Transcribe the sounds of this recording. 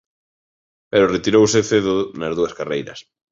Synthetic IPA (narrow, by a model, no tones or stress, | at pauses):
pɛɾʊret̪iɾowsɪθeðʊnɐzðuɐskarejɾɐ̰s